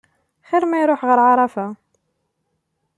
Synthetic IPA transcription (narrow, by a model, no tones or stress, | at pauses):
xæɾmæjɾʊħʁəɾʕɑɾˤɑfa